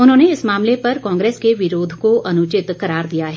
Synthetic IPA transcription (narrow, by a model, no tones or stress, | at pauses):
ʊnɦõːneɪsmaːmlepɐɾkãːŋɡɾeːskeʋɪɾoːd̪ʱkoʔɐnʊt͡ʃɪt̪kɐɾaːɾd̪ijaɦɛ